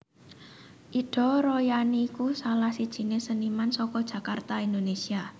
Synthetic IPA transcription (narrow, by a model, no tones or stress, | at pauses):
ʔiɖ̥ɔ̤ɾojaniːkusalahsid̥ʒ̥i̤nesənimansɔkɔd̥ʒ̥ä̤kart̪aind̪onesia